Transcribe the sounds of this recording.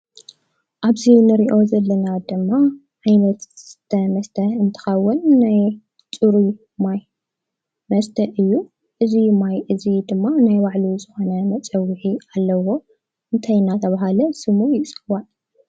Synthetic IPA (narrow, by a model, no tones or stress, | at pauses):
ʔaβzinɨɾiʔo̞zɐlːɐnad̪ɨmːa | ʕajnɐt̪z̥ɨt̪ʰɐmɐst̪ʰɐɨnt̪ʰɐ̥xɐwʊnːaj | t͡sʼɨɾu | maj | mɐst̪ʰɐɨjːu | ʔɨzimajʔɨzid̪ɨmːanajwaʕlizɨxo̞nɐmɐt͡sʼɐwːɨħialːɐwo̞ | ʔɨnt̪ʰajnat̪ʰɐβaɦalɐsɨmujɪt͡sʼɨwa